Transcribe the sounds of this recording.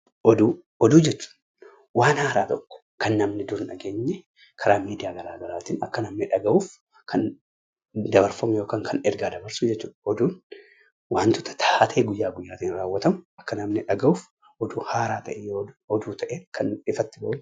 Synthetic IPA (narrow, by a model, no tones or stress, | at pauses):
ʔɔd̪uː | ɔd̪uːd͡ʒɛt͡ʃːu̥ːᶑ | waːnhaːɾaːt̪ɔkːɔ̥ | kɐnːɐmnɪd̪ʊɾnɐɡe̞ːɲːɛ | kʰɐɾaːmiːd̪ɪjaːɡɐɾaːɡɐlaːt̪iːnɐkːɐnɐmnɪᶑɐɡɐʔuːf | kʰɐn | d̪ɐbɐɾfɐmʊjo̞ːkaːŋkʰɐnɛɾɡaːd̪ɐbɐɾsʊd͡ʒɛt͡ʃːuːᶑɐ̥ɔd̪uːn | waːnt̪ʊt̪ːɐ̥t̪ʰat̪ʰeːɡʊjːaːɡʊjːaːt̪iːnɾaːwːɐt̪ɐmʊʔɐkːɐnɐmnɪᶑɐɡɐuːf | ʔɔd̪uːhaːɾaːt̪ɐʔɛjoːɔd̪uːt̪ʰɐʔeːkʰɐnɪfɐt̪ːɪbɐʔʊm